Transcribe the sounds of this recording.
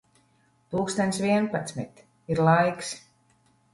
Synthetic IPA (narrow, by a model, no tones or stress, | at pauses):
t̪uːkst̪anʲt̪sviɛnpat̪smḭt̪ | iɾlˠajks